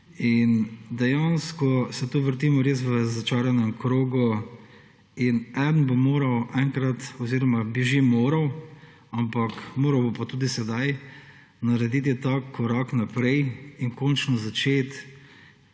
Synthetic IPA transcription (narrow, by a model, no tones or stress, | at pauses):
ind̪ɛjanskɔsɛt̪oːʋəɾt̪imɔɾeːs̬ʋəzat͡ʃaːɾjanɛmkɾoːɡu | inɛd̪nbomoːɾɐwʔɛŋkɾat̪ɔziːɾɔmabiʒemoːɾɐw | ampakmoːɾɐwbopat̪uːd̪isɛd̪aj | naɾɛd̪it̪̬it̪akːɔɾaknapɾɛjiŋkɔːnt͡ʃnɔzat͡ʃeːt̪